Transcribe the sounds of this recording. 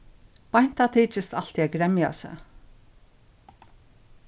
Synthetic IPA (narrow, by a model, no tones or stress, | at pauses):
pajn̥t̪at̪ʰiːt͡ʃɪst̪al̥t̪iɛɡɾɛmja̰sɛ̰